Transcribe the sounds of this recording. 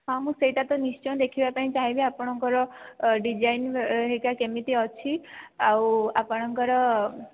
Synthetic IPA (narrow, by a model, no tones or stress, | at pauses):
ɦamũseiʈat̪oniʃt͡ʃɔnd̪ekʰiʋapanĩt͡ʃaɦiʋĩapəɳɔŋkɔɾɔɖid͡ʒajnɦekakemit̪iɔt͡ʃʰiauapəɳɔŋkɔɾɔ